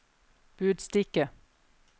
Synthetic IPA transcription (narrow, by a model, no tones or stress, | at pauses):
b̥ʉːd̪st̪ɪkə